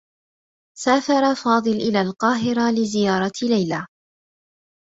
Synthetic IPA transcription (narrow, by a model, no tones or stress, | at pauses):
saːfɑɾˤɑfɑːd̪ˤɨlʔɪlaːlqɑːɦɪɾalɪzɪjɑːɾˤɑlajlaː